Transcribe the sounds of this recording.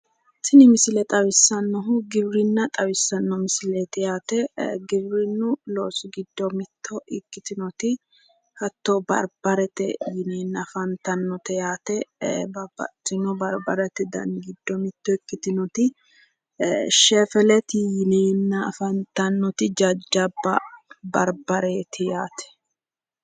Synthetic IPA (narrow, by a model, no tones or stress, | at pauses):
sɪnɪmɪsɪlɛt̪ʼɐwɪsːɐnːɔɦʊɡɪbɾɪnːɐt̪ʼɐβɪsːɐnːɔmɪsɪlet̪ɪjaːt̪ɛɡɪbɾɪnːʊloːsʊɡɪd̪ːɔmɪt̪ʰːɔʔɪkːɪt̪ɪnɔt̪ɪ | hɐt̪ːɔbɐ̰ɾbɐɾɛt̪ɛjɪneːnːɐfɐnt̪ɐnːɔt̪ɛjaːt̪ɛbɐb̥ɐ̰t̪ːɪnɔbɐɾbɐɾɛt̪ɛd̪ɐ̰nɡɪd̪ːɔmɪt̪ːɔɪkːɪt̪ɪnɔt̪ɪ | ʃɛfɛlɛt̪ɪjɪneːnːɐːfɐnt̪ɐnːɔt̪ɪd͡ʒɐd͡ʒːɐbːɐbɐɾbɐɾeːt̪ʰɪjaːt̪ɛ̥